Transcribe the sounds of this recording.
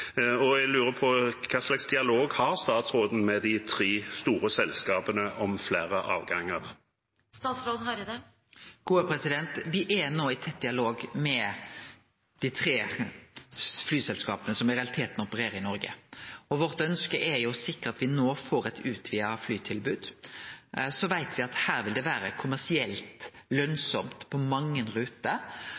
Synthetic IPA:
ɔɛɡlʉːɾəpʰɔkʰɛʁslɑɡsd̪ɪɑloːɡhɑʁst̪ɑːt̪sʁoːd̪n̩mɛd̪ɪt̪ʰɾeːst̪uːɾəsɛlskɑːpənəʔɔmfleːɾəʔɑːʋɡɑŋːəʁ | st̪ɑːt̪sɾoːd̪ɦɑɾd̪ɛ | ɡ̥uːəpʰɾɛsɪd̪ɛnt̪ʋɪʔɛnoːɪt̪ʰɛt̪̚d̪ɪɑloːɡmɛ | d̪̥ɪt̪ʰɾeː | flyːsɛlskɑ̰ːpənəsɔmɪɾɛɑlɪt̪ʰeːt̪nɔpəɾeːɾəɾɪnɔɾɡə̰ɔʋɔɾt̪œnskəʔɛɾjʊsɪkːəɾɑt̪ʋɪnoːfoːɾɛt̪ʰʉːt̪ʰʋɪɑflyːt̪ʰɪlbʉːd̪ | sɔʋæɪt̪ʰʋɪɑt̪hæːɾʋɪld̪ɛʋæːɾəkʰʊmæsɪɛlt̪lœnsɔmt̪pʰɔmɑŋːənɾʉːt̪ə

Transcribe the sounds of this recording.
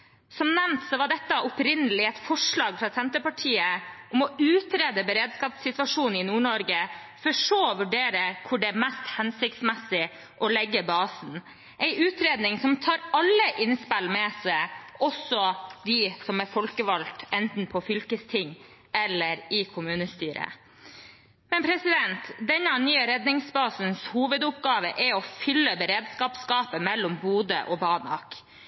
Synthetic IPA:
sɔmnɛmt̪sɔʋɑɖɛt̪ːəʔʊpɾɪnːəlɪɛɪt̪fɔʂɭɑːɡfɾɑsɛnt̪əpɑʈʰiːəʔɔmɔʉːt̪ɾeːd̪əbəɾeːd̪skɑt̪sɪt̪ʋɑʂuːnɪnuːɳɔɾɡə | fɔʂoːʋʉɖeːɾəkʰʊɖɛæɾmɛst̪hɛnsɪkt̪smɛsɪ | ʔɔlɛɡːəbɑːsn̩ | ʔɛɪʔʉːt̪ɾeːd̪nɪŋsɔmt̪ʰɑːɾɑlːəʔɪnspɪlmɛsɛɪɔsɔd̪ɪsɔmɛɾfɔlkəʋɑlt̪ɛnt̪n̩pʰɔfʏlkəst̪ʰɪŋː | ɛlːəɾɪkʰʊmʉːnəst̪yːɾə̰ | mɛnpʰɾɛsɪd̪ɛnt̪d̪ɛnːɑnyːəɾɛd̪nɪŋsbɑːsənshuːʋəd̪ʊpɡɑːʋəʔɛɔfʏlːəbəɾeːd̪skɑːpskɑːpəmɛlːɔmbuːd̪ə̰ʔɔbɑːnɑ̰k

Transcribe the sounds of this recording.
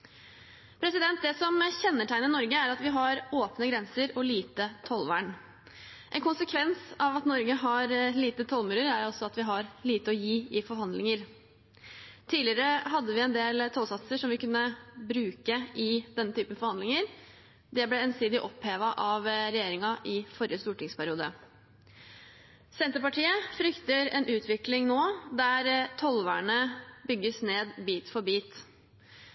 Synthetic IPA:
pʰɾɛsɪd̪ɛnt̪̚d̪ɛsɔmçɛnːəʈʰæɪnəɪnɔɾɡəæɾɑt̪ʋɪɦɑɾoːpnəɡɾɛnsəɾɔliːt̪ət̪ʰɔlʋæ̰ɳ | ʔɛ̰nkʊnsəkʰʋɛnsɑʋɑt̪nɔɾɡəɦɑɾliːt̪ət̪ʰɔlmʉːɾəɾæɾɔsːɔɑt̪ʋɪɦɑɾliːt̪əɔjiːɪfɔɾɦhɑnd̪lɪŋəɾ | t̪ʰiːlɪəɾəɦɑd̪ːəʋɪɛnd̪eːlt̪ʰɔːlsɑt̪səʂɔmʋɪkʉnːəbɾʉːkəʔɪd̪ɛnːət̪ʰyːpənfɔɾhɑnd̪lɪŋəɾ | d̪ɛblɛɛnsiːd̪ɪʔɔpheːʋɑʔɑʋɾɛjeːɾɪŋɑʔɪfɔɾɪjəst̪uːʈɪŋspʰæɾɪuːd̪ə̰ | sɛnt̪əɾpɑʈʰiːəfɾʏkt̪əɾɛnʔʉːt̪ʰʋɪklɪŋnoːd̪æɾt̪ʰɔlʋæɳəbʏɡːəsneːd̪biːt̪fɔɾbiːt̪

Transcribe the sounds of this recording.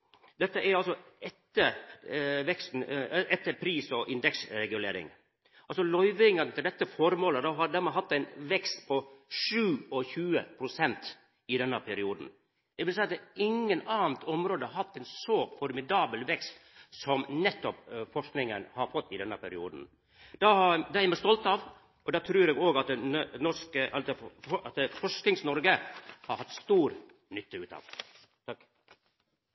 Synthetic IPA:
d̪ɛt̪ːəʔɛɾɑlsɔɛt̪ːə | ʋɛkst̪n̩ɛt̪ːəɾpʰɾiːsɔʔɪnd̪ɛksɾɛɡʉlḛːɾɪ̰ŋ | ɑlsɔlɔʏʋɪŋənət̪ʰɪld̪ɛt̪ːəfɔɾmoːləd̪ɑɦɑɾd̪æɾmɛɦɑt̪ːæɪnʋɛkst̪pʰɔʂʉːɔçʉːə̰pʰɾʊsɛnt̪ | ɪd̪ɛnːəpʰɛɾɪuːd̪n̩ | d̪ɛɪʋɪlsɛɪɑt̪d̪ɛɪŋːənɑːənt̪ʰɔmɾoːd̪əɾɦɑt̪ːæɪnsɔfɔɾmɪd̪ɑːbəlʋɛkst̪sɔmnɛt̪ːɔpfɔʂknɪŋənhɑɾfɔt̪ːɪd̪ɛnːəpʰɛɾɪuːd̪n̩ | d̪ɑɑd̪ɑːɛɾmɛɪst̪ɔlt̪ɑʋ | ɔd̪ɑːt̪ʰɾʉːɾɛːɡoːɡɑt̪̚nɔʂkəʔɑɑt̪əfɔʂknɪŋsnɔɾɡəhɑɾhɑt̪ːst̪uːɾ | nʏt̪ʰːəʉːt̪ɑ̰ʋ | t̪ʰɑk

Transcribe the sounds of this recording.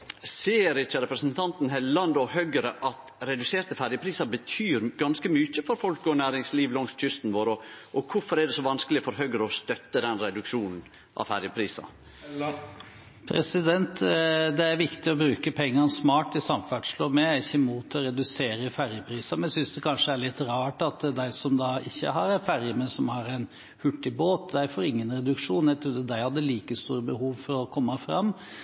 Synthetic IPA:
seːəɾɪt͡ʃːəɾɛpɾəsnt̪ʰɑnt̪n̩hɛllɑnd̪ɔhœɡəɾəʔɑt̪ɾɛd̪ʉseːɾt̪əfæɾjəpʰɾiːsɑɾbət̪ʰyːɾɡɑnskəmyçəfɔɾfɔlkɔnæːɾɪŋsliːʋlɔŋst̪c͡çʏst̪n̩ʋoːɾɔʔɔkʰʊfɔɾɛɖ̪ɛsɔʋɑnskəlɪfɔɾɦœɡəɾəɔst̪œt̪ːəd̪ɛnɾɛd̪ʉkʂuːnn̩ | ʔɑ̰fæɾjəpʰɾiːsɑ̰ | pʰɾɛsɪd̪ɛnt̪d̪ɛæɾʋɪkt̪ɪɔbɾʉːkəpʰɛŋːɑnsmɑːʈd̪ɪsɑmfæʈʂloːmɛæɾɪçːəmuːt̪ʰɔɾɛd̪ʉseːɾəfæɾjəpʰɾiːsɑmɛnæsʏnsd̪ɛkʰɑnʂəæɭɪt̪ːɾɑːʈɑt̪d̪æɪsɔmd̪ɑɪ̰çːə̰ɦɑɾɛnfæɾjəmɛnsɔmhɑɾɛɪn | hʉʈːɪboːt̪d̪æɪfɔɾɪŋːənɾɛd̪ʉkʂuːnɛɪt̪ʰɾud̪ɛd̪æɪhɑd̪ːəliːkəst̪ṵːɾəbəhuːʋfɔɾɔkʰɔmːɑfɾɑ̰mː

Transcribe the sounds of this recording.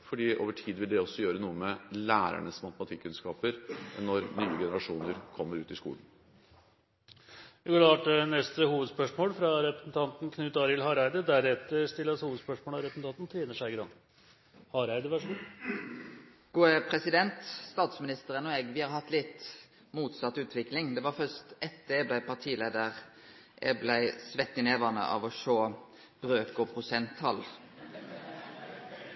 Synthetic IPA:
fɔɖiːʔo̰ːʋəʈʰiːd̪ʋɪld̪ɛɔsːɔjøːɾənuːəmɛlæːɾæ̰ɳəsmɑt̪əmɑt̪ʰɪkːʉnskɑːpəɾnːɔɾnyːəɡɛnəɾɑʂuːnəɾkʰɔmːəɾʉːt̪ɪskṵːln̩ | ʋɪɡɔlɑːʈənɛst̪əhuːʋəd̪spœʂmoːlfɾɑɾɛpɾəsn̩t̪ʰɑnt̪n̩kʰnʉːt̪ɑɾɪlhɑɾæɪd̪əd̪æɾɛt̪ːəɾst̪ɪlːəshuːʋəd̪spœʂmoːlɑɾɛpsn̩t̪ɑnt̪nt̪ʰɾeːnəʂæɪɡɾɑn | hɑɾæɪd̪əʋæʂm | ɡ̥uːəpʰɾɛsɪd̪ɛnt̪st̪ɑːt̪smɪnɪst̪əʁənɔeːɡʋɪhɑɾhɑt̪ːlɪt̪ː | muːt̪sɑt̪ːʉːt̪ʰʋɪklɪŋd̪ɛʋɑfœst̪ɛt̪d̪ɛɛblæɪpʰɑt̪ʰiːleːd̪əʁ | ʔɛ̰ɡblæɪsʋɛt̪ːɪneːʋɑnə̰ʔɑ̰ʋɔʂoː | b̥ɾøːkɔpʰɾʊsɛnt̪ʰːɑ̰l

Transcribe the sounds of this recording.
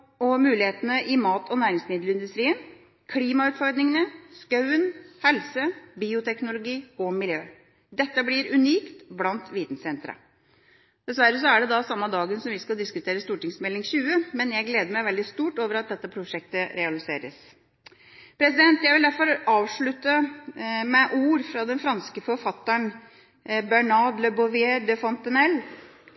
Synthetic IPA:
ɔmʉːlɪheːt̪ənəʔɪmɑːt̪ʰɔnæːɾɪŋsmɪnd̪ləɪnd̪ʉst̪ɾiːən | kʰliːmɑʉːt̪fɔɾd̪nɪŋənəskɑʉənhɛlsəbiːʊt̪ʰɛknʊlʊɡiːɔmɪljøː | d̪ɛt̪ːəblɪɾʉniːkt̪blɑnt̪ʋiːt̪n̩sɛnt̪ɾə̰ | d̪ɛsʋæɾːəs̬ɔæɖɛd̪ɑsɑmːɑd̪ɑːɡənsɔmʋɪskɑld̪ɪskʉt̪ʰeːɾəst̪uːʈɪŋsmɛlːɪŋɕʉːəmɛnjæɪɡleːd̪əɾmæɪʋɛld̪ɪst̪uːʈoːʋəɾɑt̪̚d̪ɛt̪ːəpʰɾʊʂɛk̚t̪əɾɛɑlɪseːɾə̰s | pʰɾɛs̬ɪd̪ɛnt̪jæɪʋɪld̪æɾfɔɾɑːʋʂɭʉt̪ːə | mɛʔuːɾfɾɑd̪ɛnfɾɑnskəfɔɾfɑt̪ːəɳ | bæɳɑd̪ləbɔʋɪeːd̪ɛfɔnt̪ənɛlː

